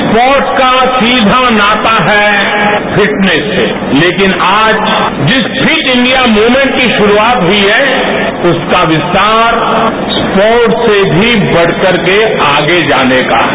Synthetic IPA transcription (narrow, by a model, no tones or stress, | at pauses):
spɔːɾʈkasiːd̪ʱanaːt̪aɦɛ | pʰɪʈnɛsːḛ | leːkɪnaːd͡ʒ | d͡ʒɪspʰit͡ʃɪ̃ɳɖijamuːmɛ̃ɳʈkiʃʊɾuaːt̪ɦiɦɛ | ʊskaʋɪst̪aːɾ | spɔːɾʈsebʱibɐɽ̤kɐɾkeaːɡed͡ʒaːneːka̰ːɦ